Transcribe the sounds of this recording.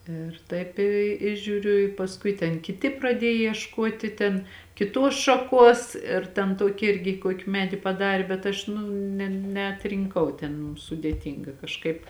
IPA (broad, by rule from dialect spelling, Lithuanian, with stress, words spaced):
ˈɪr tɐɪp ˈɪ ɪ ʒʲuːˈrʲʊ ɪ pɐsˈkʊɪ tʲɛn kʲɪˈtʲɪ prɐˈdʲiɛj iɛʃˈkoːtʲɪ tʲɛn kʲɪˈtuɔs ʃɐˈkuɔs ɪr tʲɛn ˈtoːkʲɪ ˈɪrʲɡʲɪ ˈkoːkʲɪ ˈmʲæːdʲɪ pɐˈdɑːrʲeː bʲɛt ˈɐʃ ˈnʊ nʲɛ nʲɛɐtʲrʲɪŋˈkɐʊ ˈtʲɛn sʊdʲeːˈtʲiːŋɡɐ kɐʃˈkɐɪp